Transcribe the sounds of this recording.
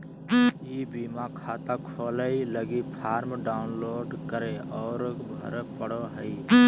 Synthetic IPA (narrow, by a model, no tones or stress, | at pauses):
iːbiːmakʰaːt̪akʰoːləiləɡipʰaːɾmɖaːʊnloːɖkəɾeɔːɾbʱə̰ɾpəɽoɦəi